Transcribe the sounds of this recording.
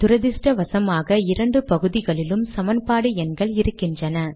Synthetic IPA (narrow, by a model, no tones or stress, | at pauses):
t̪ʊɾɐðɪsʈɐʋɐsɐmaːɣɐɪɾɐɳɖɯpɐɣɯðɪɣɐɭɪlɯmsɐmɐnpaːɽɯɛnɡɐɭɪɾɯkːɪndrɐnɐ